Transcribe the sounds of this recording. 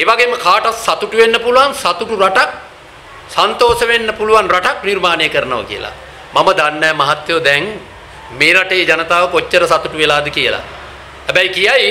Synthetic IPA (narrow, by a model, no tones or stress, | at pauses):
eːʋaɡeməkʰaːʈassat̪uʈuʋenːəpuluʋansat̪uʈuɾaʈak̚ | sant̪oːsəʋenːəpuluʋanraʈaknirmaːnejəkəɾənoʋa̰kḭjə̰la̰ | maməd̪anːɛːmaɦat̪jod̪ɛŋ | meːɾaʈejed͡ʒanət̪aːʋəkot͡ʃːəɾəsat̪uʈuʋelaːd̪əkijəla̰ | hæbɛjkijaj